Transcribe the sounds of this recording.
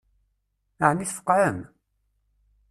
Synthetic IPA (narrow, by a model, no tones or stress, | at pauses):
əʕniθfə̥qːɾəm